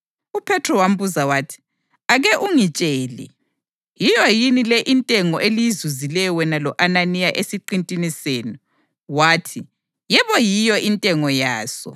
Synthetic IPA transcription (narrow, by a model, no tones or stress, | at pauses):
upʰɛtʰrɔwam̩buzawaːtʰi̥ | aɣɛʔuŋit͡ʃʼeːlɛ̰ | jijɔjinilɛʔintʼɛŋɔʔelijizuzilɛjɔwɛnalɔʔananijaʔesiǃintʼiniseːni | waːtʰi | jɛβɔjijɔʔintʼɛŋɔjaːsɔ̰